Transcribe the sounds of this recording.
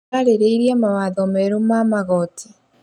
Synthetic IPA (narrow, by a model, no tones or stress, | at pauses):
aɾeɾeiɾiamawaðɔmɛɾumamaɣɔtʰi̥